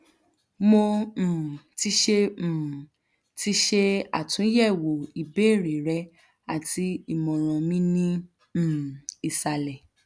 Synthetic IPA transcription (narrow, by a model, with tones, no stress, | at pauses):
mõ˧˨ | ti˧ʃe˧m̩˨ | ti˧ʃe˦a̰˦˨tũ˨˦jɛ˦˨wo˨i˨be˨˦˨ɾe˨ɾɛ˨˦ | a˦˨ti˧˦i˦˨mɔ̃˨ɾ̃ɔ̃˨mĩ˦nĩ˦˨ | i˨sa˨lɛ˨